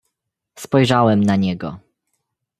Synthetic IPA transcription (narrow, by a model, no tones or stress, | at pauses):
spɔjʐawɛmnaɲɛɡɔ̰